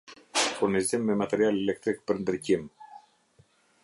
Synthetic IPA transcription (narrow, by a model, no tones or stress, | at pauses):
fuɾnizimːɛmat̪ɛɾialɛlɛk̚t̪ɾik̚pəɾnd̪ɾicim